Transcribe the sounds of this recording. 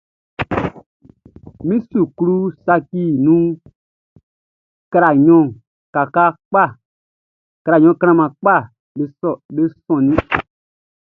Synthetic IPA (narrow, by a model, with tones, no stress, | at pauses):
mĩ˦su˨ku˧ɾu˦sa˧kiː˦˨nũː˦ | ka˧ɾa˨ɲɔ̃˨ | ka˨ka˦k͡pa˦˨ | ka˧ɾa˨ɲɔ̃˧˦˨ka˦ɾã˧˨mã˨k͡pa˦˨ | ɓe˦sɔ˨ɓe˦sɔ̃˨nĩ˦